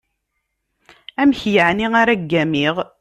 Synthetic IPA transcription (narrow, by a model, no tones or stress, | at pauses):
æmçjəʕniaɾæɡːæmiʁ